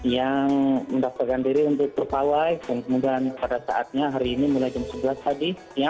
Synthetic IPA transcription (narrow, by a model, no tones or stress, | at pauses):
jaŋməndaparkandiɾiunt̪ʊk̚pərpawajdaŋkəmudaanpadasa̰ʔa̰t̪̚ɲaɦaɾiːnimulajd͡ʒamsəbəlast̪adi | ja